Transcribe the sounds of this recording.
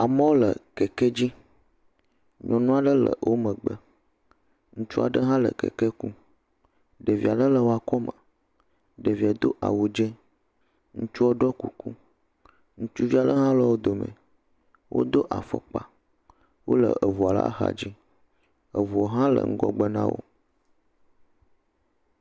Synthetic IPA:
a˨mə˦wo˦lə̰˨kɛ˨ke˦d͡ʑi˦ | ɲɔ̃˨nũ˦a˨ɖə˦lə̰˨wʔo˦mə̃˨ɡ͡bə˦ | ŋũ˦t͡ʃu˦a̰˨ɖə˦ɦã˦lə̰˨kɛ̰˨ke˦ku˦ | ɖə˨vi˨a˨ɖə˦lə˨wo˦a˨kɔ˦mə̃˨ | ɖə˨vi˨a˨d̪o̰˦ʔa̰˨wo˨d͡ʒe˦ | ŋũ˦t͡ʃu˦o˦ɖɔ˦ku˨ku˦ | ŋũ˦t͡ʃu˦vi˦a˨ɖə˦ɦã˦lɔ˦wo˦d̪o˨mɛ̰̃˨ | wʔo̰˦d̪o˦ʔa˨fɔ̰˨k͡pa˨ | wo˦lə̰˨ə˨vu˨a˨la̰˦ɦa̰˨d͡ʑi˦ | ə˨vu˨o˨ɦã˦lə̰˨ŋ̩˦ɡɔ̰˦ɡ͡bə˦nã̰˦wo̰˦

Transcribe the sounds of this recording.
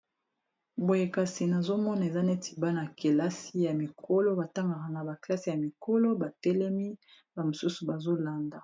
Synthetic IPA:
bo˨je˨ka˨si˨na˨zo˦mɔ˦na˨e˨za˦ne˦ti˨ba˦na˨ke˨la˦si˦ja˨mi˨kʰo˦lo˦ba˨ta˦ŋɡa˨ʁa˨ŋɡa˨ba˨kla˦si˨ja˨mi˨ko˦lo˦ba˨tɛ˦lɛ˦mi˦ | ba˨mo˨su˦su˨ba˨zo˦la˨nda˨

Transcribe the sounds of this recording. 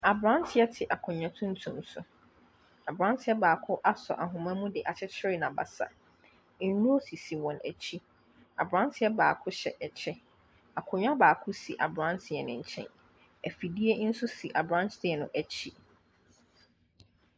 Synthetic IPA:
a˨bɾã˦ntʰɪ˦ɛ˦tʰɪ˨ʔa˨kʰʊ̃˨ɲᶣã˨tʰũ˦n˦tʰũ˨msʊ̰˨ | a˨bɾã˦n˦tʰɪ˦ɛ˦baː˨kʰʊ˦ʔa˦sɔ̰˨ʔa˨ɦʊ̃˨mã˦mũ˦dɪ˨ʔa˨t͡ɕʰɛ˦t͡ɕʰɪ˦ɾɪ˦nã˨ba̰˨sa̰˨˦ | nũ˦o˦si˨si˨wɔ̃˨næ̰˨t͡ɕʰi˦ | a˨bɾã˦ntʰɪ˦ɛ˦baː˨kʰʊ˦ɕɛ̰˨ʔɛ˨t͡ɕʰɛ˦ | a˨kʰʊ̃˨ɲᶣ˦ã˦baː˨kʰʊ˦sḭ˨ʔa̰˨bɾã˦ntʰɪ˨ɛ˨nɪ̰̃˨ɲ̩˨t͡ɕʰɛ̰̃˦n | æ˨fi˨di˦e˦n̩˦sʊ˦si˨ʔa˨bɾã˦nsdɪ˦ɛ˨nʊ̰̃˨ʔæ˨t͡ɕʰi˦

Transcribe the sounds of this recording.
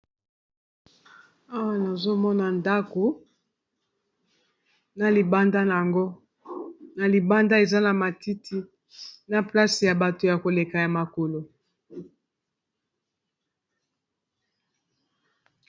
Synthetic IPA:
a˦wa˨na˨zo˦mɔ˦na˨nda˦ko˨ | na˨li˨ba˦nda˦n˨a˨ŋɡo˦ | na˨li˨ba˦nda˦e˨za˦na˨ma˨ti˦tʰi˦ | na˨pla˦si˨ja˨ba˨to˨ja˨ko˨le˨ka˨ja˨ma˨ko˨lo˨

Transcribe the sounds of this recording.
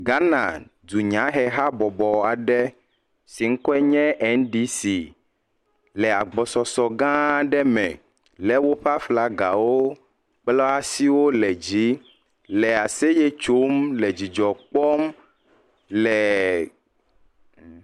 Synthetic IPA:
ɡa˦nã̰˨ | du˨ɲã˨˦ɦɛ˦ɦa˦bɔ˨bɔ˨a˨ɖɛ˦ | si˨ŋ̩˦kɔ˦ɛ˦ɲɛ̃˦ʔɛ˨˦nɖi˦si˨ | lɛ˨a˨ɡ͡bɔ˨sɔ˨sɔ˨ɡã˦˨ɖɛ˦mɛ̰̃˨ | lɛ˦wo˦ɸa˦fla˨˦ɡa˨wo˦ | k͡plɔ˦a˦si˦wo˦lɛ˨d͡ʑi˦ | lɛ˨a˨se˦jɛ˦t͡ʃo˦mlɛ˨d͡ʑi˨d͡ʒɔ˨k͡pɔ˦m | lɛ˨

